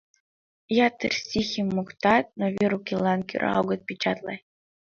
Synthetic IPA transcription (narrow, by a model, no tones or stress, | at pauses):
jɑt̪ːɘrsʲixʲimːukt̪ɑt̪̚novʲeɾukʲilˠːɑnkʲy̰ɾ̰ɑ̰wɡɤ̆t̪̚pʲit͡ɕɑt̪lˠɑ̰j